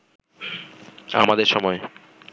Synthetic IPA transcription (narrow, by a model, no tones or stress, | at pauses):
amad̪eɾʃɔmɔe